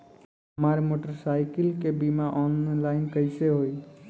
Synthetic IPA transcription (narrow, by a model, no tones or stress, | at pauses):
ɦəmaɾmoʈəɾsaɪkəlkebimaʔɔnlaɪnkəɪseɦoi